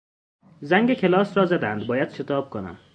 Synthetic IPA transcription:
zæŋɡekʰelɒːsɾɒːzæd̪ænd̪̚bɒːjæd̪̥ʃet̪ʰɒːb̥̚kʰonæ̰m

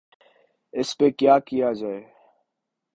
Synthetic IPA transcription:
ɪspeːkjaːkɪjaːd͡ʒaːeː

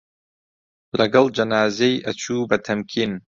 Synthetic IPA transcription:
lɐɡɐld͡ʒɐnaːzejʔɐt͡ʃʰuːbɐt̪ʰɐmkʰiːn

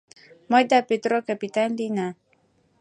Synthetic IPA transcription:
mɔjd̪apet̪ɾokapit̪anlina

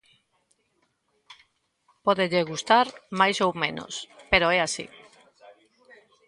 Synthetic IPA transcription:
pɔðeʎeɣust̪aɾmajsowmẽno̰speɾoɛasḭ

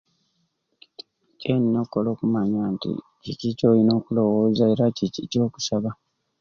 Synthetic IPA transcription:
ceninokːolo̞ːkumaɲaːntḭ | cicico̞ːjino̞ːkulo̞woːzae̞ɾacicico̞ːku̥saβa

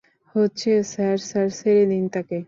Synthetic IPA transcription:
hotːt͡ɕʰesaɾsaɾseɾed̪int̪ake

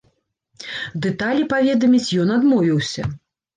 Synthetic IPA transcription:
d̪ɛt̪alʲipavʲɛd̪ɐmʲit͡sʲjɔnad̪mɔvʲiwsʲɐ̰

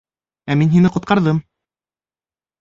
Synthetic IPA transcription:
æminɦinɘqŏt̪̚qʰɑɾðɤm

